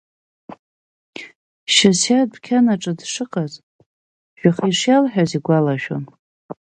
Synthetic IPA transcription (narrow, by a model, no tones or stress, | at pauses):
ʃasjad̚bʰkʲʰanaʈ͡ʂʼɨdʂɨqʼaz | ʒ̥ᶣaχiʂjalħᶣaziɡʷalaʒᶣo̰n